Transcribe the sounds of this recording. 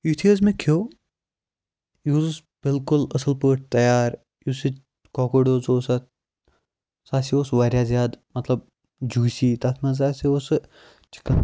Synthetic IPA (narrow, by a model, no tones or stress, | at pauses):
jut̪ʰiəzmẽkʰoː | juːzs | b̥ɪlkʊlɐsəlpəːʈ̚ʰt̪ɐjaːɾ | jusi | kɔːkoɖoːzoːsɐ | saːsioːsʋaːɾʲjaːzjaːd̪mɐt̪lɐb̚ | d͡ʒuːsiːt̪ɐt̪ʰnaz̬aːsios | t͡ʃi̥kːɐ